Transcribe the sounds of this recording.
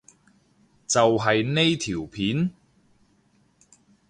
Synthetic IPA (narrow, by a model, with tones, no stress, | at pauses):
t͡sɐ˨wɦɐ˨jne˥jt̪ʰiː˨˩wpʰiː˨˥n